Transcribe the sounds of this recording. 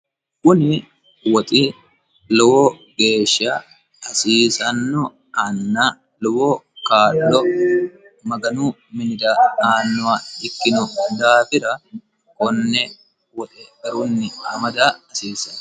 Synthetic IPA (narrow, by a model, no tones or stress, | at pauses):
kʊnɪ | wɔt̪ʼi | lɔwoː | ɡe̞ːʃːa | ɐsiːsɐnːɔ | anːaː | lɔwoːkaːlːɔ | mɐɡɐnuː | mɪnɪd̪aːaːnːʊaɪkːɪnʊd̪aːfɪɾɐ | kɔnːɛ | wɔt̪ʼɛɡɐɾunːɪhɐmɐd̪aːɐsiːsɐn